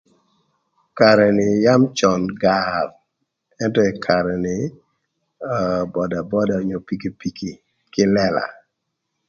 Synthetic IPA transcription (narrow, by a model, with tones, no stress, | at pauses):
ka˨ɾɛ˨nɪ˨ja˦mt͡ʃɔ˨nɡa˦l | ɛ˦ntɔ˦ɛ˨kʰa˨ɾɛ˨nɪ˨ | bɔ˨da˨bɔ˦da˨ɲo˨pi˦ki˦pi˨ki˨ | kɪ˦lɛ˦la̰˨